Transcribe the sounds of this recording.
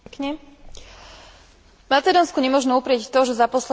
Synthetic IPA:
kɲɛ | mat͡sɛd̪ɔːnskuɲɛmʊɔʒnɛupɾɪɛct̪ɔʒɛzapɔslɛ

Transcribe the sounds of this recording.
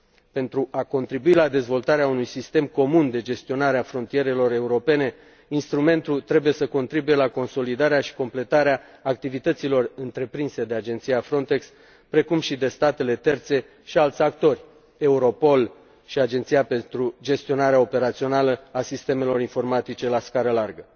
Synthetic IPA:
pe̞nt̪ɾuʔako̞nt̪ɾibuilad̪e̞zvo̞lt̪aɾeaunujsist̪e̞mko̞mund̪e̞d͡ʒe̞st̪io̞naɾeafɾo̞nt̪ije̞ɾe̞lo̞re̞uɾo̞pe̞ne̞ | inst̪ɾume̞nt̪ut̪ɾe̞buje̞səko̞nt̪ɾibuje̞lako̞nso̞lid̪aɾeaʃi̥ko̞mple̞t̪aɾeaː | k̚t̪ivit̪ət̪silo̞rɨnt̪ɾe̞pɾinse̞d̪e̞ad͡ʒe̞nt̪sijafɾo̞nt̪e̞ks | pɾe̞kumʃid̪e̞st̪at̪e̞le̞t̪e̞rt̪se̞ | ʃialt̪sʲakt̪o̞rʲ | e̞uɾo̞po̞l | ʃiad͡ʒe̞nt̪sijape̞nt̪ɾud͡ʒe̞st̪io̞naɾeao̞pe̞ɾat̪sio̞naləasist̪e̞me̞lo̞ɾinfo̞rmat̪it͡ʃe̞laskaɾəlarɡə

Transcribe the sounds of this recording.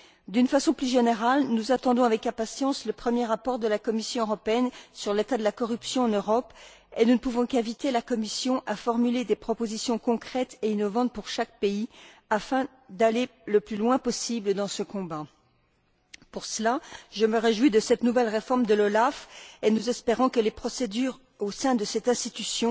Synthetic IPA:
d̪ynfasɔ̃plyʒeneʁalnuzat̪ɑ̃d̪ɔ̃avɛkɛ̃pasjɑ̃sləpχəmjeʁapɔʁd̪əlakɔmisjɔ̃øʁɔpeɛnsyʁlet̪ad̪əlakɔʁypsjɔ̃ɑ̃nøʁɔp | enunəpuvɔ̃kɛ̃vit̪elakɔmisjɔ̃ʔafɔʁmyled̪epχɔpozisjɔ̃kɔ̃kχɛt̪einɔvɑ̃t̪̚puʁʃak̚peiafɛ̃ | d̪aleləplylwɛ̃pɔsibləd̪ɑ̃səkɔ̃ba | puʁsəlaʒəməʁeʒwid̪əsɛt̪nuvɛlʁefɔʁmd̪əlɔlafenuzɛspeʁɑ̃kəlepχɔsed̪yʁ | osɛ̃d̪əsɛt̪ɛ̃st̪it̪ysjɔ̃

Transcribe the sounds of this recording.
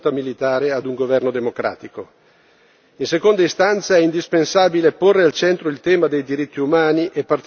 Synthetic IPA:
t̪amilit̪aːɾead̪uŋɡovɛrnod̪emokɾa̰ːt̪iko | insekond̪aist̪ant̪saɛind̪ispensaːbileporːealt͡ʃɛnt̪ɾoilt̪ɛːmad̪ejd̪iɾit̪ʰːiumaːniʔepːart̪

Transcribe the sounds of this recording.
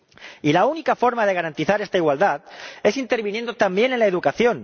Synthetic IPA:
ilaunikafo̞ɾmað̞e̞ɣ̞aɾant̪iθaɾe̞st̪aiɣwald̪aðe̞sint̪e̞ɾβinje̞nd̪ot̪ambje̞ne̞lae̞ðukaθjo̞n

